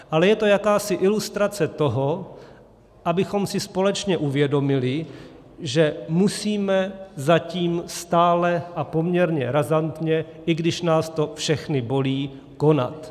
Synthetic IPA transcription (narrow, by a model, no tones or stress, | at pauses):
ʔalɛjɛt̪o̞jakaːsɪʔɪlust̪ɾat͡sɛt̪o̞ɦo̞ | ʔabɪxo̞msɪspo̞lɛt͡ʃɲɛʔuvjɛdo̞mɪlɪ | ʒɛmusiːmɛzaciːmst̪aːlɛʔapo̞mɲɛɾɲɛɾazant̪ɲɛʔɪɡdɪʃnaːst̪o̞fʃɛxnɪbo̞liː | ko̞na̰t̪